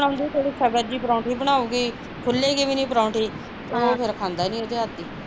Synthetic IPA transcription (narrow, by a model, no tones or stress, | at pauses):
ɽ̃aːʊnd̪iːt̪eːɽiːsəbəɾd͡ʒiːpəɾãːʈiːbəɽ̃aːuːɡiː | kʰʊlːeːɡiːbiːnĩːpɾãːʈiː | t̪eoːpʰɪɾəkʰãːnd̪aːnĩːot̪eːət̪d̪iː